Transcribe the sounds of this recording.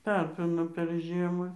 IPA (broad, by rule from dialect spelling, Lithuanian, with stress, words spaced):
ˈtɑːpʲɪnoː pʲɛr ˈʒʲiɛmɐ